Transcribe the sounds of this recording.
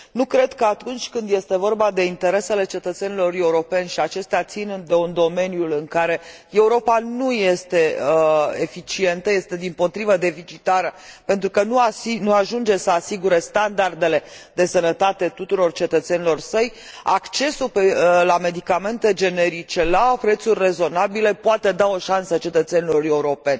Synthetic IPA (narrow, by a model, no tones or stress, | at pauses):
nukɾe̞d̪kəat̪unt͡ʃʲkɨnd̪je̞st̪e̞vo̞rbad̪e̞int̪e̞ɾe̞se̞le̞t͡ʃe̞t̪ət̪se̞nilo̞re̞uɾo̞pe̞nʲʃiat͡ʃe̞st̪eat̪sind̪e̞und̪o̞me̞nijulɨŋkaɾe̞ | e̞uɾo̞panuje̞st̪e̞əefit͡ʃie̞nt̪əje̞st̪e̞d̪impo̞t̪ɾivəd̪e̞fit͡ʃit̪aɾəpe̞nt̪ɾukənuainuaʒund͡ʒe̞səasiɡuɾest̪and̪ard̪e̞le̞d̪e̞sənət̪at̪e̞t̪ut̪uɾo̞rt͡ʃe̞t̪ət̪se̞nilo̞rsəj | akt͡ʃe̞supelame̞d̪ikame̞nt̪e̞d͡ʒe̞ne̞ɾit͡ʃe̞lapɾe̞t̪surʲre̞zo̞nabile̞poat̪e̞d̪ao̞ʃansət͡ʃe̞t̪ət̪se̞nilo̞re̞uɾo̞pe̞nʲ